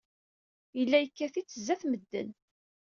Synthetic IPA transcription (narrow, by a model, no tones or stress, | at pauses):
jəlːæjəkːæθit͡sːəzːæθməd̪ːə̰n